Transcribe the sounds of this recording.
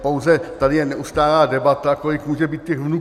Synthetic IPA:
powzɛt̪adɪjɛnɛʔust̪aːlaːdɛbat̪ako̞lɪkmuːʒɛbiːt̪cɛxvnu

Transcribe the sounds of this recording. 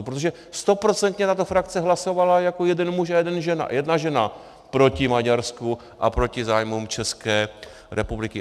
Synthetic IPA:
pɾot̪oʒɛ | st̪o̞pɾo̞t͡sɛnt̪ɲɛt̪at̪o̞fɾakt͡sɛɦlaso̞valajako̞jɛdɛnmuʃajɛdɛnʒɛna̰jɛdnaʒɛna | pɾo̞cɪmaɟaɾsku | ʔa̰pɾo̞cɪzaːjmumt͡ʃɛskɛː | ɾʔɛpublɪkɪ

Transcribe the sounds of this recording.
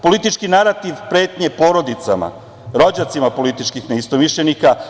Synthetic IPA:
po̞lit̪it͡ʃkinaɾat̪iʋpɾe̞ːt̪ɲe̞po̞ɾo̞d̪it̪sa̰ma̰ | ɾo̞d͡ʑat̪simapo̞lit̪it͡ʃkixneist̪omiʃʎenika

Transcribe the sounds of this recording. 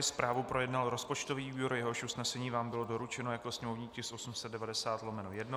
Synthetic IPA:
ɪspɾaːvupɾo̞jɛdnalɾo̞spo̞t͡ʃt̪oviːujoɾjɛɦo̞ʃusnɛsɛɲiːvaːmbɪlo̞do̞ɾut͡ʃɛnojakosɲɛmo̞vɲiːcɪsʔo̞sumsɛt̪dɛvadɛsaːt̪lomɛnojɛdno

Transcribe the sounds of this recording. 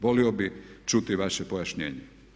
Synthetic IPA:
ʋoliobit͡ʃut̪iʋaʃepojaʃɲḛːɲe

